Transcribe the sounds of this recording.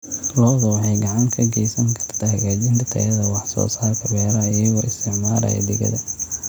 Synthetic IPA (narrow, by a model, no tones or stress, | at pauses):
lɔːɣɔwħɛjɡɑʕɑŋkʰɐɡɛjsɐŋkʰɐ̥rt̪ʰɐhɐɣaːt͡ʃɪnt̪ʰɐt̪ʰɐ̰jɐðɐwɑħsɔ̰ːsaːrkʰɐβɛːɾɐɐjɐɣɔʔɪst̪ʰɪʕmaːɾɐ̰j̰d̪ɛɣɐ̰ðɐ